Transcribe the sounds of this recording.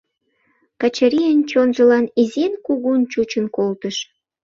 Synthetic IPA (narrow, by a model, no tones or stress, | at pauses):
kɑt͡ɕəɾijənt͡ɕonʒə̆lɑnizenkuɣunt͡ɕut͡ɕənkolt̪əʃ